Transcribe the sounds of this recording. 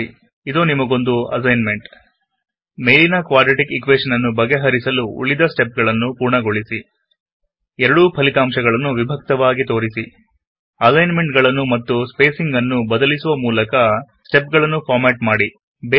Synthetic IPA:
id̪onimɐɡo̞nd̪uɐ̰s̬ɐjnme̞ɳʈ | mejlinɐkʋaːɖɾɐʈikikʋeːʂɐnɐnːubɐɡːeɦɐɾisɐluṵɭid̪ɐsʈe̞p̚ɡɐɭɐnːupuːɾɳɐɡo̞ɭisi | ɛɾɐɽupʰɐlit̪aːmʃɐɡɐɭɐnːuʋibʱɐk̚t̪ɐʋaːɡit̪o̞ːɾisi | ɐsɐjnme̞ɳʈɡɐɭɐnːumɐt̪ːuspe̞ːsiŋɡɐnːubɐd̪ɐlisuʋɐmuːlɐkɐsʈe̞p̚ɡɐɭɐnːupʰaːɾmeʈ̚maːɽi | b

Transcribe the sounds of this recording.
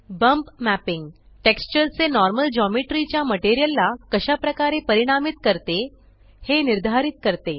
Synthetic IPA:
bəmpmæpiŋɡ | ʈekst͡ɕəɾt͡senɔɾməld͡ʑɔmiʈɾit͡ɕjaməʈeɾijəlːakəɕapɾəkaɾepəɾiɽ̃amit̪kəɾt̪e | heniɾd̪ʱaɾit̪̚kəɾt̪e

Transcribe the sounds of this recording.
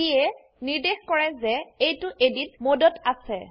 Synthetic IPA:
iɛ | niɹdexkɔɹɛzɛejtʊʔedinmodɔtasɛ

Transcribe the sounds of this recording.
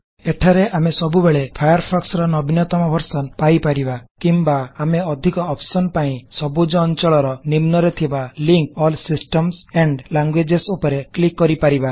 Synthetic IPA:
eʈʰaɾeʔamesɔbubeɭepʰajɔɾpʰɔksɾɔnɔbʱinɔt̪ɔmɔbʱɔɾsɔnpajpaɾibakimbaːmeɔd̪ʱikɔːpsɔnpaĩsɔbud͡ʒɔːnt͡ʃɔɭɔɾɔnimnɔɾet̪ʰibaliŋkɔlsisʈɔmseɳɖlaŋɡwed͡ʒesupɔɾeklikːɔɾipaɾiba

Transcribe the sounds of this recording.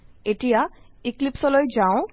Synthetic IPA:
eʈija | iklipsɔlɔjd͡ʑaʊ̃

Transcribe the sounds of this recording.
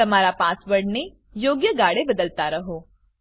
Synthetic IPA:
ɐmaːɾapaːswɐɽ̤ne | joːɡjəɡaːɽebɐd̪əlt̪aɾɐɦoː

